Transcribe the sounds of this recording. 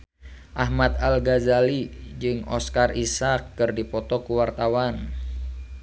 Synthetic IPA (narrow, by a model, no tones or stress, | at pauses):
ʔaɦmat̪alɡazalid͡ʒɨŋɔ̰skarʔisakːɨrdipɔt̪ɔkuwart̪awan